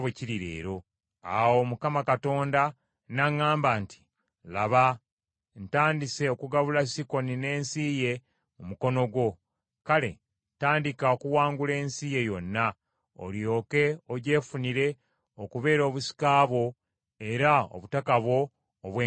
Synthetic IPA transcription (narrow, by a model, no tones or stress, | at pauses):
eciɾiɾḛːɾo̞ | a̰wo̞mukamakato̞ːnda | naŋːaːmbanti̥ | laβa | ntaːndise̞okuɡaβulasiko̞nine̞ːnsiːje̞ | mumuko̞no̞ɡwo̞ | kale̞̰ | taːndikaokuwaːŋɡule̞ːnsije̞jo̞nːa | o̰ljo̞ːke̞oɟe̞ːfuniɾe̞ | okuβe̞ːɾo̞ːβusi̥kaːβwo̞ | e̞ɾao̰βutakaβwo̞ː | βwe